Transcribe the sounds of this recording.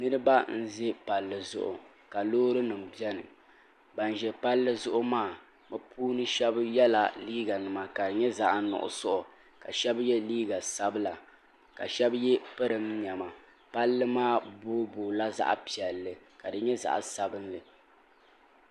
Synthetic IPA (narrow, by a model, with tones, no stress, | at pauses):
nɨ˦ɾɨ˦ba˦n̩˦zɪ˦pa˨lːɨ˨zʊ̰˨ʔʊ̰˨ | ka˨loː˦ɾɨ˦nɨ˨m˨bi˦ɛ˦nɨ˨ | ba˨n˨ʒɛ˨pa˦lːɨ˦zʊ˦ʔʊ˦maː˦˨ | mɨ˦pʰuː˦nɨ˦ʃɛ˦bjɛ˦la˨liː˦ɡa˨nɨ˨ma˨ka˨ɲɛ˦za˦ʔnʊ̰˨ʔʊ̰˨sʊ˦ʔʊ˨ | ka˨ʃɛ˦bjɛ˦liː˦ɡa˨sa˦bɨ˦la˨ | ka̰˨ʃɛ˦bjɛ˦pɨ˦ɾɨ˨mɲɛ˨ma˨ | pa˦lːɨ˦maː˦boː˦boː˨la˦za̰˦ʔpi˨ɛ˨lːɨ˨ka˨dɨ˨ɲɛ˦za̰˨ʔsa˨bɨ˦nlɨ˨